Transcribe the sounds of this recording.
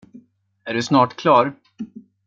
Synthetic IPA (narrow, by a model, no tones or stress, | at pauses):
æɖɵsnɑːʈkʰlɑːɾ